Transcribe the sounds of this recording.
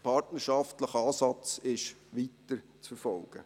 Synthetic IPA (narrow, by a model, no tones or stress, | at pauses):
pʰɑɾtnəʃɑftləχəɑːsɑt͡sɪʃʋitːəɾt͡sfəɾfɔlɡ̥ə̰